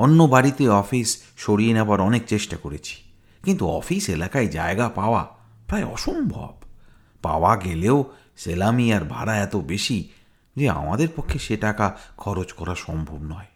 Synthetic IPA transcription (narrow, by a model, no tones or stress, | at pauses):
onːobaɾit̪eɔfisʃoɽienebaɾɔnek̚t͡ɕeʃʈakoɾet͡ɕʰi̥ | kint̪uɔ̰fiselakaed͡ʑa̰eɡapaoa | pɾaeɔ̰ʃombʱɔ̰b | pa̰waɡeleo | selamiaɾbʱa̰ɽaɛt̪obeʃi | d͡ʑea̰ma̰d̪eɾpokʰːeʃeʈakakʰɔɾot͡ɕkɔɾaʃɔmbʱobnɔe